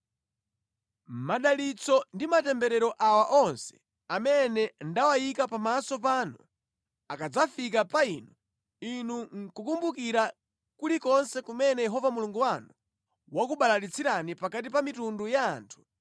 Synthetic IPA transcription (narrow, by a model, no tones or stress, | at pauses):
maɗalit͡sɔndimatɛmbɛɾɛɾɔʔawaʔɔnsɛ̥ | amɛnɛndawajikapamasɔp̬anɔ̰ | akad͡zafik̬apainɔ | inuŋkukumbukiɾa | kulikɔnsɛkumɛnɛjɛɦɔvamuluŋɡuwanu | wakuɓalalit͡sʰiɾanipakat̬ipamitunduja̰ːntʰu̥